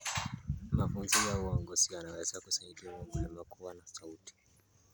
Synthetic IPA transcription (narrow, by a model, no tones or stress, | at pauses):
mafunzijauɔŋɡɔzianawɛzakusaɲikiwamulɛmakʰuwanasauti̥